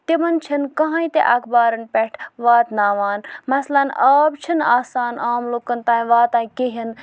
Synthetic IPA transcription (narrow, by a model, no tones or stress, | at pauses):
t̪imɐnt͡ʃʰɐnkɐɦãːĩt̪ḛʔɐkʰbaːɾɐnpɛʈʰʋaːt̪naːʋaːnmɐslɐnaːbt͡ʃʰina̰ːsaːnaːmloːkɐnt̪ãːĩʋaːt̪ãːĩkeɦin